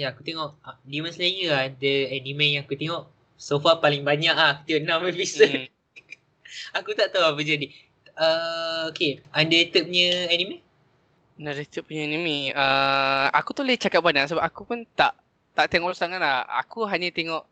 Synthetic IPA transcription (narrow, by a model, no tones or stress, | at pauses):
jaakut̪eŋɔʔdimasalajəadəɛnimɛ̃jãŋakut̪eŋɔʔ | sofapalɪŋbaɲaʔau̥t̪iɔʔnãməfisə | akut̪aʔt̪awabəd͡ʒadi | əokeandəet̪əp̚uɲəɛnimɛ̃ | naɾit̪əp̚puɲəɛnĩmiəa̰kut̪ulɛt͡ʃakat̚banaʔsəbap̚akupunt̪aʔ | t̪aʔt̪eŋɔʔst̪aŋanlaha̰kuɦaɲət̪eŋɔʔ